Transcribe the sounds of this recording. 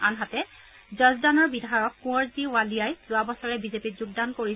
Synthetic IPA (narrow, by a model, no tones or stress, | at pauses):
anɦatɛ | zɔzdanɔɹbidʱajɔkːũɔɹziwalijajzʊabɔsɔɹɛbizepizuɡ̚dankoɹi